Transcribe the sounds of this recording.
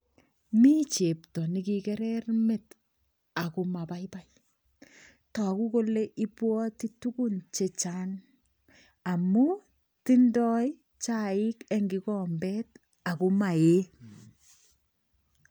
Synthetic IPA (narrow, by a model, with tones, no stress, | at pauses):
mi˦t͡ʃe˨ptɔ˨nɪkikɛ˦ɾɛrmɪ˨t | a˨ku˨ma˨pa˦jpa˦j | tɔ˨ku˦ko˦le˦ʔi˦pwɔ˦ti˦tu˦ku˦nt͡ʃe˨t͡ʃa˦n | a˨mu | ti˦ndɔ˦j | t͡ʃaɪ˦kɛ˦ŋɡɪ˦kɔ˦mbɛ˦t̚ | a˨ku˦ma˨e˦